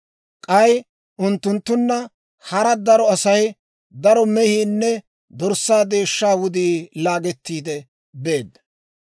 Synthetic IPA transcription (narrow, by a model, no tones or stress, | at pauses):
kʼɐj | ʔʊnt̪ːʊnt̪ːʊnːɐ | hɐɾɐd̪ɐɾɔɐsɐj | d̪ɐɾɔmɛhiːnːɛ | d̪ɔɾsːaːd̪e̞ːʃːaːwʊd̪iːlaːɡɛt̪ːiːd̪ɛ | be̞ːd̪ɐ